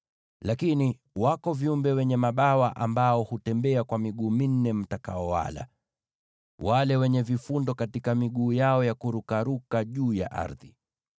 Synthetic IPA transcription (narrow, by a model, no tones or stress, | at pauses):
lakini | wakɔviumbɛwɛɲɛmaɓawaʔambaɔhutɛmbɛakwamiɠuːmin̩ːɛm̩takaɔwa̰la̰ | walɛwɛɲɛvifundɔkatikamiɠuːjaɔjakuɾukaɾukaʄuːja̰ʔa̰ɾði